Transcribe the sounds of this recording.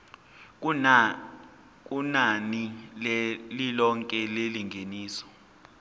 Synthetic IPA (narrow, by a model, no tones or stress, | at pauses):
k̬ʼunani | lilɔŋkʼɛleliŋʱeniːsɔ̥